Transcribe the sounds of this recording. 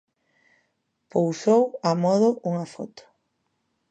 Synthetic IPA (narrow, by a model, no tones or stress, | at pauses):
powsowamɔðʊʔuŋɐfɔ̰t̪ʊ̥